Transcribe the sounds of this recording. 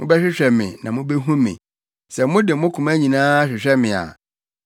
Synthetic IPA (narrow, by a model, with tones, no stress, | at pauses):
mʊ̃˦bɛ˦ɕᶣɪ˦ɕᶣɛ˨mɪ̰̃˨nã˨mʊ̃˦bɛ˦ɦũ˦mɪ̰̃˨ | sɛ˨mʊ̃˦dɪ˨mʊ̃˦kʰʊ̃˨mæ˦ɲĩ˨nãː˦a˦ɕᶣɪ˨ɕᶣɛ˦mɪ̃˨a̰˨